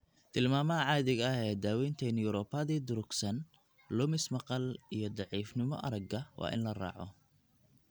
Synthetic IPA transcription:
t̪ʰɪlmaːmɐɐʕɑːðɪɣɐɐɦɛːd̪aːwɛjnt̪ʰɐnjʊɾɔːpʰɐðiːd̪ʊɾʊɡsɐn | lʊmɪsmɑqɑlijɞd̪ɑʕiːfnɪmɔ̰ʔɐ̰ɾɐɡɐwʔɑ̰ːʔɪ̰nlɐrɑ̰ːʕɔ̰

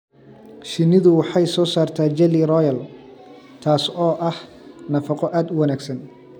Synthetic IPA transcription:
ʃɪnɪðʊwɑħɑjsɔːsaːrt̪ʰaːd͡ʒɛlirɔjɐl | t̪ʰaːsɔːʔɐh | nɐfɑqɔʔaːd̪ʊwɑnaːɡsɐn

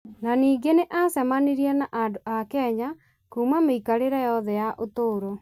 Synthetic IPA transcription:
naniːŋɡeneʔasɛmaniɾiɛnaʔadoakɛɲa | kuːmameikaɾeɾɛjɔðɛjaʔotoːɾo

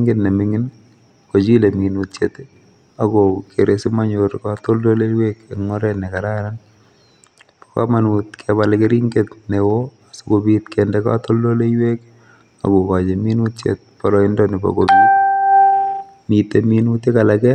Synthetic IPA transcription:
ŋɡetnemɪŋɪn | kot͡ʃileminutt͡ʃet | akokeɾesimaɲoɾkatoldolewekeŋːɔɾɛnekaɾaɾan | pɔ̥ka̰manut̚kʰɛbalkɪɾiŋɡetnewoasukobitkʰɛndɛka̰toldolewek | a̰kokad͡ʒeminutt͡ʃḛt̚pɔɾɔɪndɔnɪbɔ̰kobit | miteminutikalakɛ

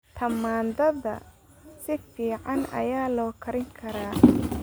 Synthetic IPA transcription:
t̪ʰɐmaːnd̪ɐðɐ̰ | sɪfiːʕɑnɐ̰jaːlɔːkʰɐɾɪŋkʰɐɾaː

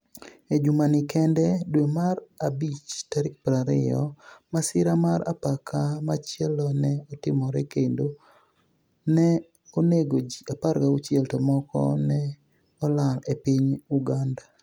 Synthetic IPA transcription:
ed͡ʒumanɪkɛndɛdwemarabit͡ʃtaɾɪk̚pɾaɾɪ̰jɔ̰masɪɾamaɾa̰pakʰamat͡ʃjɛlɔnɛɔtɪmɔɾɛkendo | nɛ | oneɡod͡ʒiapaɾɡaut͡ʃjɛltɔmɔkɔ̰nɛ | ɔlalepɪɲuɡanda

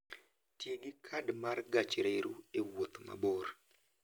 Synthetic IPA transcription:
tjeɡɪkʰadmarɡat͡ʃɾeɾuewot̪ma̰bɔr

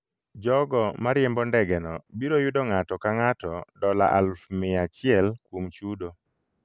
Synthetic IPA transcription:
d͡ʒɔɡɔmaɾjɛmbɔndɛɡɛnɔbiɾojʊdɔŋatɔkaŋatɔdɔla̰ʔa̰lfmɪat͡ʃɪɛlkwomt͡ʃudo

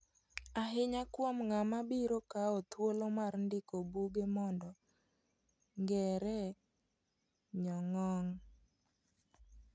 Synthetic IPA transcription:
aɦɪɲakwɔmŋamabiɾokaot̪wolomarndɪkobuɡemɔndɔ | ŋɡɛɾɛ | ɲɔŋɔŋ

